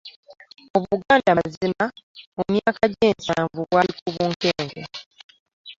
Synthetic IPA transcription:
oβuɡaːndazimaomjaːkaɟeːnsaːɱvuβwaikuβuːŋkeːŋɡḛ

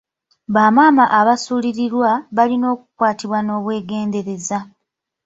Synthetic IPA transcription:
βaːmaːmaʔaβasuːliɾiɾwaβalino̞ːkukwaːtiβwano̞ːβwe̞ːɡe̞ːnde̞ɾe̞za

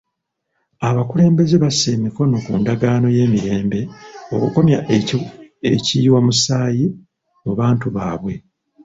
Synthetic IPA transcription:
aβakule̞ːmbe̞ze̞βase̞ːmiko̞no̞kuːndaɡaːno̞je̞ːmiɾe̞ːmbe̞okuko̞mjaʔ | eciːwamusaːji | oβaːntuβaːβwe̞

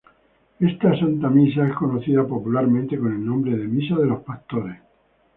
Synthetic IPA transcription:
e̞st̪asant̪amis̬aesko̞noθiðapo̞pulaɾmẽnt̪e̞ko̞ne̞lnõmbɾe̞ð̞e̞misaðe̞lo̞spakt̪oɾes

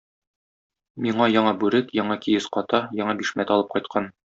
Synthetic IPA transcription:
miɴɑjɒɴɑbʉɾɘt̪jɒɴɑkijɘsqɒt̪ɑjɒɴɑbiʃmæt̪ɒlˠɤp̚qɒjt̪̚qʰɑn

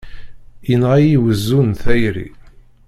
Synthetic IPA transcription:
inʁæjiwəzːunθæjɾḭ

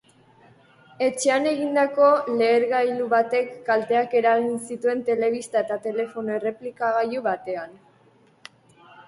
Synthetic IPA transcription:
e̞t͡ʃe̞ane̞ɣ̞ind̪ako̞le̞ːɾɣajluβat̪e̞kːalt̪e̞ake̞ɾaɣinsit̪ue̞nt̪e̞le̞β̞ist̪ae̞t̪at̪e̞le̞fo̞noe̞re̞plikaɣajuβat̪e̞an

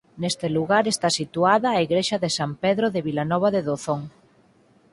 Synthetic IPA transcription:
nest̪eluɣaɾest̪asit̪uaðaːiɣɾeʃaðesampeðɾoðeβilanɔβ̞aðeðoθoŋ

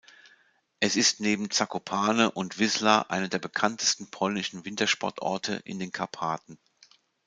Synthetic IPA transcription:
ʔɛsɪstneːbm̩t͡sakopʰaːnəʔʊntv̥ɪzlaʔa̰ɪnədeːɐbəkʰantə̥stn̩pʰɔlnɪʃn̩vɪntɐʃpɔ̰ɐtʔɔ̰ɐtʰə̰ʔɪ̰ndeːnkʰapʰaːtn̩

